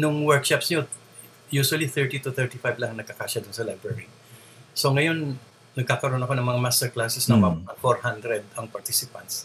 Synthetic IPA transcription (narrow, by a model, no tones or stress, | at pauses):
nʊŋwɛɹkʃapsɲo | juswɐliθɛɹt̪it̪ʊθɛɹt̪ifajblɐŋnɐɡ̚kɐkaːʃad̪ʊnsɐlajbɹɛɹi | soŋɐjo̞n | nɐɡ̚kaːkɐɾonɐko̞nɐŋmɐŋamast̪ɛɹklaːsɛsnɐmaɐfoɹhand̪ɾɛd̪ɐŋpɐɹt̪isɪpɐ̰nt̪s